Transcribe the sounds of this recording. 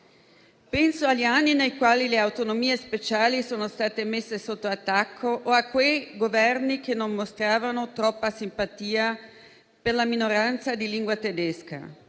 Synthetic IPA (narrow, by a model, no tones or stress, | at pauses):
pɛnsoaʎːianːinejkwaːlileawt̪onomiːespet͡ʃaːlisoːnost̪aːt̪emesːesot̪ːoat̪ːakʰːoʔoakːwejɡovɛrnik̟enːonmost̪ɾaːvanot̪ɾɔpːasimpat̪iːa | perlaminoɾant̪sad̪iliŋɡwat̪ed̪eska̰